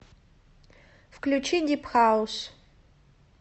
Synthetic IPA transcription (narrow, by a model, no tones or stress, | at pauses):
fklʲut͡ʃʰidʲipʰχaus